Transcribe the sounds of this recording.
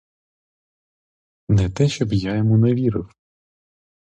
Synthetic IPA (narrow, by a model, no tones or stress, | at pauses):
nɛt̪ɛʃt͡ʃɔbjajɔmuneʋʲiɾɪw